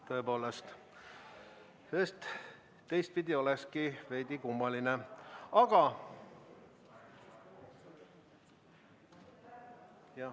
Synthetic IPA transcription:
t̪ɤepo̞ːlest̪ | eːst̪ | t̪e̞jst̪̚pid̪ʲio̞leskive̞jd̪ikumːɑlineɑɡ̥ɑ | jɑ

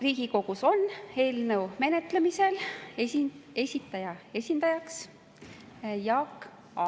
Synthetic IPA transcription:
riːɡ̥iko̞ɡuso̞nːe̞ːlnewme̞ne̞t̪lemise̞l | e̞sʲit̪ːˑɑjɑe̞sʲind̪̥ɑjɑks | jɑk | ɑ

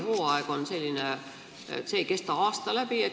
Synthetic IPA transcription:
hoːɑeɡ̥o̞nse̞lʲːinḛ | t̪seːjke̞st̪ɑɑːst̪ɑlæb̥ie

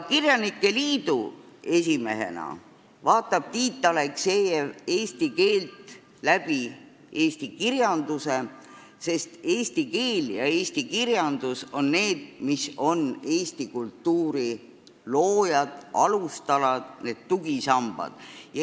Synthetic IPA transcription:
kirjɑnikːe̞liːd̪ue̞sime̞̰ɦe̞̰nɑ̰ | vɑːt̪ːˑɑb̥̚t̪iːt̪ˑːɑlekseːjee̞ːst̪ike̞ːlt̪ | læb̥i | e̞ːst̪ikirjɑnd̪use̞ | se̞st̪e̞ːst̪ike̞ːljɑ̰eːst̪ikirjɑnd̪̥uso̞nːe̞ːd̪̥̚miso̞ne̞ːst̪ikult̪ːuːɾi | loːjɑd̪̥ɑlust̪ɑlɑd̪̥ne̞ːd̪̥t̪uɡ̥isɑmb̥ɑ̰d̪̥jɑ

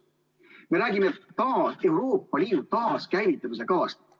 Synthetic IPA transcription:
me̞ɾæːɡʲimet̪t̪ɑe̞wɾo̞ːpːˑɑliːd̪̥ut̪ɑːskæjvit̪ːˑɑmise̞kɑːst̪

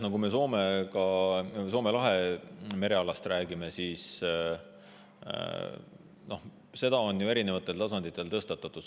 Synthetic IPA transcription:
nokumeso̞ːme̞kɑso̞ːme̞lɑɦe̞me̞ɾe̞ɑlɑst̪ɾæːɡime̞siːs | no̞h | se̞d̪̥ɑo̞njue̞ɾine̞vɑt̪ːˑe̞lt̪ɑsɑnd̪̥it̪ːˑe̞lt̪ɤst̪ɑt̪ːˑɑt̪ːˑud̪̥

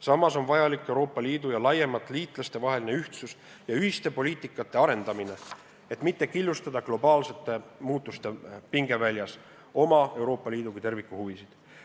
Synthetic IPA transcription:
sɑmːɑso̞nvɑjɑlikːˑe̞wɾo̞ːpːˑɑliːd̪̥ujɑlɑje̞mɑt̪ːˑliːt̪ˑlɑst̪e̞vɑɦe̞line̞yht̪sus | jɑyhist̪e̞po̞liːt̪ːˑikːˑɑt̪ːˑe̞ɑɾe̞nd̪̥ɑmine̞ | e̞t̪ːˑmit̪ːe̞kilːust̪ɑd̪̥ɑɡlo̞bɑːlse̞t̪ːˑe̞muːt̪ˑːust̪e̞piŋɡ̥e̞vælʲjɑs | o̞mɑe̞wɾo̞ːpːˑɑliːd̪ukut̪e̞rvikˑːuhuvisid̪̥

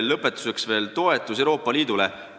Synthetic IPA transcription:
lːɤpːˑe̞t̪ːˑu̥se̞ksve̞ːlt̪o̞e̞t̪ːˑus̬ewɾo̞ːpːˑɑliːd̪ule

